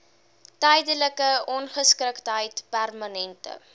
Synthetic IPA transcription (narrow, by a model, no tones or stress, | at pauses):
tɛjdələkəɔnχəskɾəktɦəjtpærmɐnɛntə̰